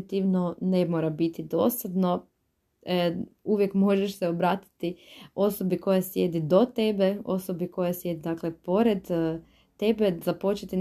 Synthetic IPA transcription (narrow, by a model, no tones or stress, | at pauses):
t̪iʋnonemoɾabit̪id̪o̞̰sad̪no | uʋjekmo̞ʒeʃseobɾaːt̪i̥t̪io̞sobiko̞jasje̞d̪id̪ot̪e̞beo̰sobikojasje̞d̪id̪aklepo̞ɾed̪ː | e̞bezapo̞t͡ʃet̪in